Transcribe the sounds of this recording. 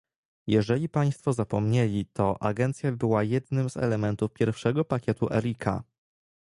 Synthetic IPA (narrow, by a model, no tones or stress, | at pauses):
jɛʐɛlʲipaj̃st̪fɔzapɔmɲelʲit̪ʰɔʔa̰ɡɛnt̪sʲjabɘwajɛd̪nɘmzɛ̰lɛmɛnt̪ufpʲjɛɾfʂɛɡɔpakʲɛt̪uʔɛ̰ɾikʰa̰